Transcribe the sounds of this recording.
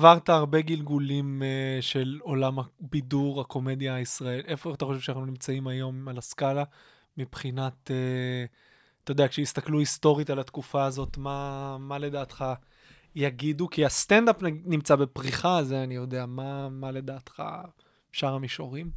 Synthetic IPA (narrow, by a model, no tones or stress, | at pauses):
avaʁtaːʁbe̞ɡilɡulimeʃe̞lo̞lamabiduʁako̞me̞djaisʁae̞lʔe̞fot̪aχoʃevʃanaχnunimt͡saimajo̞malaskala | mipχinate | t̪ajod̪eakʃeist̪akluisto̞ʁitalat̪kufaːzo̞t̪mamale̞daːt̪χa | jaɡidukiast̪endapnanimt͡sabe̞pʁiχazeanijo̞de̞amamale̞daːt̪χa̰ | ʃaʁamiʃoʁim